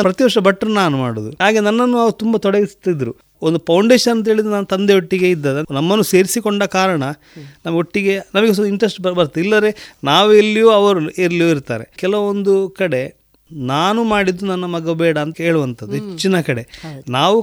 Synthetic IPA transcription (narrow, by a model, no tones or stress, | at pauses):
pɾɐt̪iʋɐɾʂɐbɐʈːɐɾɐnaːnumaːɽud̪uɦaːɡenɐnːɐnːuɐːɐɾut̪umbɐt̪ɔɽeɡist̪id̪ɾu | ond̪upʰɐwɳɖeːʂɐnɐnt̪ɐɦeːɭid̪ɾunaːnut̪ɐnd̪eoʈːiɡe̞id̪ːaːd̪enɐmːɐnːuse̞ːɾisikoɳɖɐkaːɾɐɳɐ | nɐmɐɡoʈːiɡe̞nɐmɐɡesoniɳʈɾɐsʈbɐbɐɾt̪ːilːɐd̪ɾe̞ːnaːʋueɾlijoːɐʋɐɾeɾlijoːiɾt̪a̰ːɾe̞̰kɛlɐond̪ukɐɽe̞ | naːnumaːɽid̪ːunɐnːɐmɐɡɐbɛːɽɐːnt̪ɐeːɭuʋɐnt̪ʰɐd̪uet͡ʃt͡ʃːinɐkɐɽe̞naːʋu